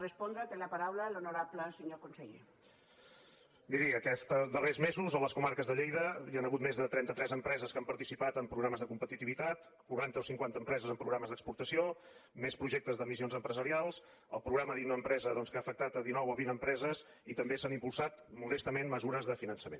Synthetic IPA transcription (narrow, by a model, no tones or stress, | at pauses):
rəspɔnd̪ɾət̪elapaɾawlalonoɾapləseɲokonseʎe | d̪iɾiəkɛst̪d̪ərezmezuzələskumaɾkəzðəʎejðəjanəɣut̪mezðət̪ɾɛnt̪ət̪ɾɛzəmpɾɛzəskampəɾt̪isipat̪əmpɾuɣɾaməzðəkumpət̪it̪iβit̪at̪ | kuɾant̪əosiŋkwant̪əmpɾɛzəzəmpɾuɣɾaməzðəkspuɾt̪əsio | mespɾuʒek̚t̪əzðəmis̬ionzəmpɾəzəɾialˠs | ə̰lˠpɾuɣɾaməðiunəmpɾɛzəðɔnskaːfək̚t̪at̪əðinɔwəβinəmpɾɛzəz | it̪əmbesanimpulˠsat̪muðɛst̪əmenməzuɾəzðəfinənsəmen